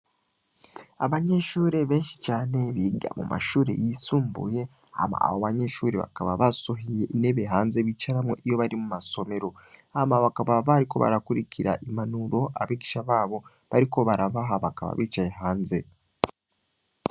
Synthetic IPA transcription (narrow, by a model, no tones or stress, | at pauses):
aβaɲe̞ʃuːɾe̞βe̞ːnʃi̥t͡ʃaːne̞βiːɡa̰mṵmʔa̰ʃuːɾe̞̰jisuːmbṵje̞ | a̰ma̰a̰βoβaɲe̞ʃuːɾe̞βa̰kaβaβasoɦije̞ʔine̞βeɦaːnze̞βit͡ʃaɾamŋo̞̰ʔijo̞βaɾimumaso̞me̞ɾo̞amaβakaβaβaɾiko̞̰βa̰ɾakuɾiciɾa̰ʔimanuɾo̞ʔaβiɡiʃaβaːβo̞ | βaɾiko̞βaɾaβaɦaβakaβa̰βiːt͡ʃajeɦaːnze̞